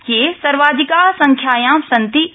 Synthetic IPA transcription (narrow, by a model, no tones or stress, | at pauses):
kesɐɾʋaːd͡ʒ̪ɪkasɐ̃ŋkʰjaːjãsɐ̃nt̪i